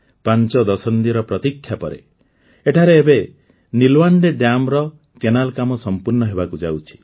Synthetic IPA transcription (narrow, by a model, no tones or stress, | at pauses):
pant͡ʃɔd̪ɔsɔnd̪iɾɔpɾɔt̪ikʰːjapɔɾḛ | eʈʰaɾeːbe | nilwaɳɖeɖamɾɔ | kenalkamɔsɔmpuɾnɔɦebakud͡ʒa̰wt͡ʃʰi̥